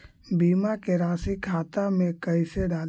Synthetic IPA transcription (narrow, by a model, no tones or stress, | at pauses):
biːmakeɾaːsikʰaːt̪amẽkɐɪseɖaːl